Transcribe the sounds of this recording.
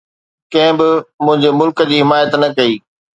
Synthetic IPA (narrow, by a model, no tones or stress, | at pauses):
kɐ̃ɦɪ̃bɪmʊ̃ɦɪ̃ɲd͡ʑemʊlkəd͡ʑiːɦɪmaːjət̪nɐkɐiː